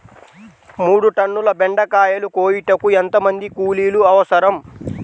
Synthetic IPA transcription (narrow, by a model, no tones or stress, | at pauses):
muːɽuʈɐɳːulɐbeɳɖɐkaːjɐlukoːjiʈɐkuent̪ɐmɐnd̪ikuːliːluɐʋɐsɐɾɐm